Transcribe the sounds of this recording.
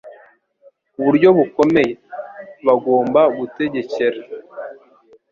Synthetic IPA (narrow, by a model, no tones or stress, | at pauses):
uβuɾɟo̞βuko̞me̞je̞βaɡo̞ːmbaβute̞ɟe̞ce̞ɾe